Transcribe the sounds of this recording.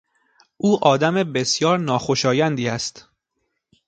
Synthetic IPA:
ʔuːʔɒːd̪æmebe̞sjɒːɾnɒːxo̞ʃɒːjænd̪iːæst̪

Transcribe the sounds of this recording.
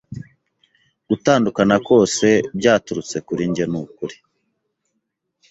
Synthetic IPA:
ɡ̥utaːndukanako̞ːse̞bɟaːtuɾut͡se̞kuɾiɲɟenukuɾi̥

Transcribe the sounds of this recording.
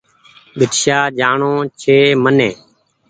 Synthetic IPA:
ɓɪʈ̪ʃaːd͡ʒaːɳõːt͡ʃʰeːmənẽː

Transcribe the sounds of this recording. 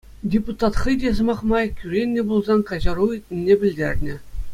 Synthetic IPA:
dʲeput̪ɑt̪χɤjdʲezɤ̆mɑχmɑjkʲyɾʲenʲːɘ̆bulˠzɑnkɑʑɑɾuitʲnʲĕnʲːebʲɘ̆lʲdʲerʲnʲɘ̆

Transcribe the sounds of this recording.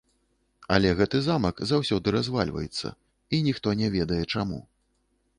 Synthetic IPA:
ɐlʲɛɣɛt̪ɨzamɐkzawsʲɔd̪ɨɾazvalʲvɐ̰jɛt̪sːɐ̰ | inʲixt̪ɔnʲɛvʲɛd̪ɐjɛt͡ʂamṵ

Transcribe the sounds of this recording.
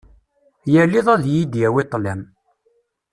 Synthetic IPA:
jəlːiðˤæðjid̪jæwit̪ˤːlæm

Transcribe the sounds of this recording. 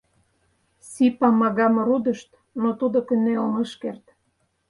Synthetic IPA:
sipɑmɑɣɑmɾud̪ə̆ʃt̪ | not̪ud̪okə̆neoməʃkert̪

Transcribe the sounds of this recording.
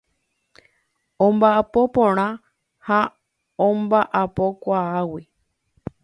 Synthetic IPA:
õmbaʔapopõɾ̃ã | ha | õmbaʔapo̞kʷaawi

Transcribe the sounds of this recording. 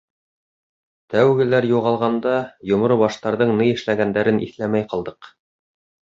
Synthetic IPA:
t̪æwɡɘ̆læɾjuʁɑlˠʁɑnd̪ɑjŏmɾobɑʃt̪ɑɾðɤɴnɤjɘ̆ʃlæɡænd̪æɾɘnʔḭθlæmæjqɑlˠd̪ɤq

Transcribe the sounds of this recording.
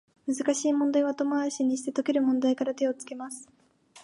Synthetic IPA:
mɯ̟zɨkaɕiːmõnd̪aiβat̪o̞moaɕiɲ̟iɕi̥t̪e̞t̪o̞ke̞ɾɯ̟mõ̞nd̪aikaɾat̪e̞o̞t͡sɨ̥ke̞masɨ̥

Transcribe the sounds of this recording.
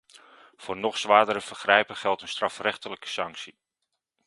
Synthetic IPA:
v̥ʊːɹnɔχsʋaːdəɾəvərχrɛjpəχɛlˠtənstrɑfrɛχtələkə̥sɑŋksi

